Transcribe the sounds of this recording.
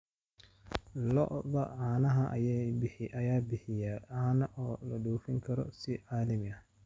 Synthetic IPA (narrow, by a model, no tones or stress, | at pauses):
lɔ̰ʔðɐʕɑːnɐɦɐʔɐ̰jɛbħɪʔɐjaːbɪħɪjaaːnɐʔɔːlɐɗuːfɪŋkʰɐɾɔ̰sɪʕaːlɪmɐ